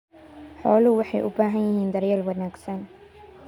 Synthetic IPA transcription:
ħɔːlʊwɑħɑjʔʊ̰baːɦɐnjɪɦiːnd̪ɐɾjɛːlwɐnaːɡsɐn

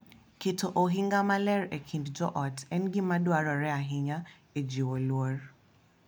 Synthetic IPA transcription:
kɪtʰoʔoɦɪŋɡamalɛɾekʰindd͡ʒɔʔɔtɛnɡɪmadwaɾɔɾɛaɦɪɲa | ed͡ʒiwolwɔr

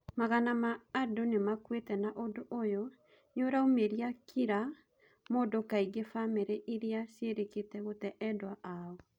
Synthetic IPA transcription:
maɣanamaːdonemakwetɛnaʔodoʔojɔ | ɲoɾaomeɾiakʰiɾa | moːdokaiɡefameɾeʔiɾeaseɾeketɛɣotɛʔɛdwaʔaɔ

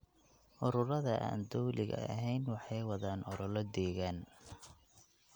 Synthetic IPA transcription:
ʔʊɾʊɾɐðɐʔa̰ːnd̪ɔwlɪɣɐ̰ɐɦɛjnwɑħɑjwɑðaːnɔɾɔlɐd̪ɛːɣan

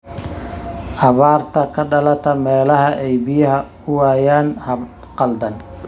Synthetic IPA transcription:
ʔɑβaːrt̪ʰɐkʰɐɖɐlɐt̪ʰɐmɛːlɐɦɐʔɛjbɪjɐɦɐ | ʊwaːjaːnhɐb | qɑld̪ɐn

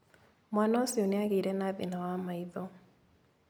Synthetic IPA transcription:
mwanɔsɪonɪaɡiɾenaðɪnawamaiðo

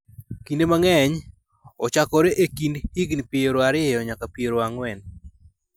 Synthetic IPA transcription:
kindemaŋɛɲ | ɔt͡ʃakɔɾɛʔekindhiɡnipieɾoaɾɪejɔɲakapieɾoaŋwɛn

